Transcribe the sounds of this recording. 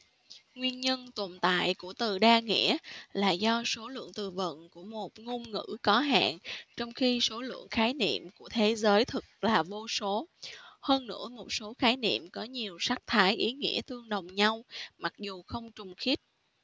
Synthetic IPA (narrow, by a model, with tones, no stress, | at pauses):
ŋwi˧ənɲə˧nt̪o˨˩nt̪a̰ː˧˨jku˧˩ət̪ɨ˨˩ɗaː˧ŋḭ˧˥əlaː˨˩zɔ˧so˨˦lɨ̰˧˨əŋt̪ɨ˨˩və̰˧˨nkṵ˧˩əmo˨˩t̚ŋo˧mŋɨ̰˧˥kɔ˨˦ɦa̰ː˧˨nt͡ɕɔ˧wŋ͡mxi˧so˨˦lɨ̰˧˨əŋxaː˨˦jnḭ˧˨əmku˧˩ət̪ʰe˨˦zəː˨˦jt̪ʰɨ˨˩k̚laː˨˩vo˧so˨˦həː˧nːɨ̰˧˥əmo˨˩t̚so˨˦xaː˨˦jnḭ˧˨əmkɔ˨˦ɲi˨˩əwsa˦˥k̚t̪ʰaː˨˦jʔi˨˦ŋḭ˧˥ət̪ɨ˧əŋɗə˨˩wŋ͡mɲa˧wma˨˩k̚zu˨˩xə˧wŋ͡mt͡ɕʊ˨˩ŋ͡mxi˦˥t̚